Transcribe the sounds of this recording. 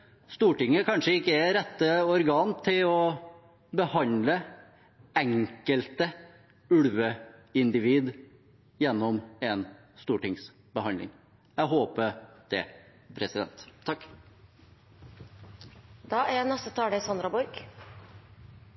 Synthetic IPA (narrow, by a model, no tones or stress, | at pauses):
st̪uːʈɪŋːəkʰɑnʂəɪkːəɛɾɛt̪ːəɔɾɡɑːnt̪ʰɪlɔ | bəhɑnlə | ɛŋkəlt̪ə | ʉɽʋəɪnd̪ɪʋiːd̪ | jɛnːɔmɛn | st̪uːʈɪŋs | bəhɑnlɪ̰ŋ | jæɦoːpəd̪̥ɛ̰ | pʰɾɛsɪd̪ɛ̰nt̪ʰːɑkː | d̪̥ɑːæɾjænɛst̪ət̪ʰɑːlesɑnd̪ɾɑbɔɾɡ